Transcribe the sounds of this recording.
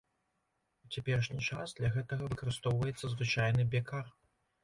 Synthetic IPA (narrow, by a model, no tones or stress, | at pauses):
ut͡sʲɛpʲɛɾʂnʲit͡ʂa̰sd̪lʲɐɣɛt̪ɐɣɐvɨkɐɾɨst̪ɔwvɐjɛt̪sːɐzvɨt͡ʂajnɨbʲɛkar